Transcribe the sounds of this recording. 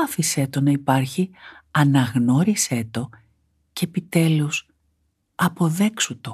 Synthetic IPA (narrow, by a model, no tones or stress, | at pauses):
ɐfise̞t̪o̞nɐipɐɾçiɐnɐɣno̞ɾise̞t̪o̞ | ceeːpit̪e̞lus | ɐpo̞ðe̞ksut̪o